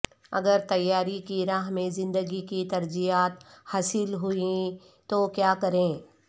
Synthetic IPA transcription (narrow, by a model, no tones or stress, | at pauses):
ɐ̰ɡəɾt̪ɐjːaːɾikiɾaːɦmẽzɪ̃nd̪əɡikit̪ɐɾd͡ʒijaːt̪haːsɪlɦʊi | t̪okjaːkɐɾẽː